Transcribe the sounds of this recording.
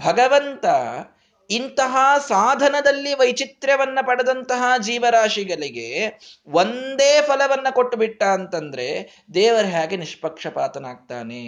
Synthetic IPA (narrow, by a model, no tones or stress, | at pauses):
bʱɐɡɐʋɐnt̪ɐ | int̪ɐɦɐsaːd̪ʱɐnɐd̪ɐlːiʋɐjt͡ʃit̪ɾɐʋɐnːɐpɐɽɐd̪ɐnt̪ɐɦɐd͡ʒiːʋɐɾaːʂiɡɐɭiɡeʋond̪eːpʰɐlɐʋɐnːɐkoʈːubiʈːaːɐnt̪ɐnd̪ɐɾe̞ | d̪ɛːʋɐɾɐɦaːɡeniʂpɐkʂɐpaːt̪ɐnaːɡ̚t̪a̰ːne